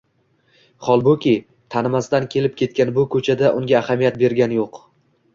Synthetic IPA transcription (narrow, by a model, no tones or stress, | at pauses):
χɒlˠbʊkʲɪ | t̪ʰanɪmast̪ankʲʰe̞lɪp̚kʲe̞t̪̚kʲanbʊkʰɵt͡ʃʰad̪aʔʊŋɡʲaːhamijat̪̚be̞ɾɡʲanɪjoq